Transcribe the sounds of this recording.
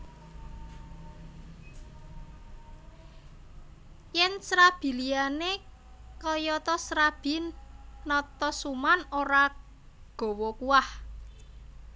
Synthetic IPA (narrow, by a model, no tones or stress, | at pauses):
jɛnsɾab̥i̤liane | kɔjɔt̪ɔsɾab̥i̤nːɔt̪ɔsumanoɾa | ɡ̥o̤wɔkuwah